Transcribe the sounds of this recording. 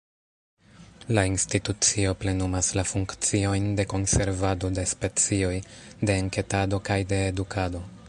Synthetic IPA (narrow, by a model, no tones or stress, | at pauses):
lainstitut͡sio̞ple̞numaslafuŋkt͡sio̞jnde̞ko̞nse̞ɾvado̞de̞spe̞t͡sio̞jde̞ːŋke̞tado̞kajde̞ːdukʰado̞